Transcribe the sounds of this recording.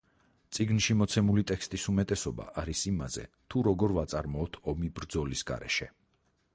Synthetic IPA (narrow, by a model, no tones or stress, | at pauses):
t̪sʼiɡnʃimɔt̪sʰɛmulit̪ʼɛkst̪ʼisumɛt̪ʼɛsɔba̰ʔaɾisimazɛ̰t̪ʰuɾɔɡɔɾvat̪sʼaɾmɔːt̪ʰɔmibɾd̪zɔlisɡa̰ɾɛ̰ʃɛ